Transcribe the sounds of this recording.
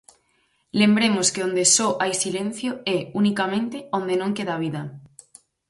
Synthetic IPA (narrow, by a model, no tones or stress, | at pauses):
lembɾemʊskeõnd̪esɔʔajsilẽn̟θjoɛunikamẽnt̪eõnd̪enõŋkeðaβ̞iðɐ